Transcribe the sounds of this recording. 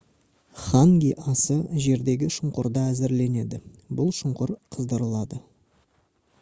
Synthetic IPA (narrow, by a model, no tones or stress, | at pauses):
χaŋɡʲiʔɑsəʒe̞ɾd̪e̞ɡʲɪʃʊɴqʊɾd̪əæzɪɾle̞ne̞d̪ɪbʊlˠʃʊɴqʊɾqʰəzd̪əɾəlˠɑd̪ə